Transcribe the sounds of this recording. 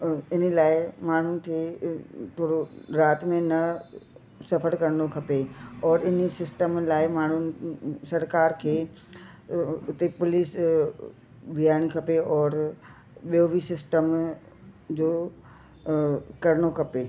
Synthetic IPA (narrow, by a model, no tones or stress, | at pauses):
ɪnəlaːɪmaːɳ̤ʊnɪ̆kʰeːt̪ʰoːɽoɾaːt̪mẽnɐ | sɐfʰəɾkɐɾñokʰɐpeɔːɾɪnisɪsʈəmlaːɪmaːɳ̤ʊnɪ̆sɐɾkaːɾkʰeː | ʊt̪epʊlis | ʋijaːɽ̃ikʰɐpeɔːɾ | ɓijobʱisɪsʈəm | d͡ʑoː | kɐɾɽ̃okʰɐpeː